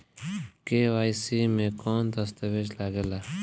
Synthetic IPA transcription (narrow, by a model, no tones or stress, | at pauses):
kewaːjsiːmẽːkoːnd̪əst̪ɐʋed͡ʒlaːɡelaː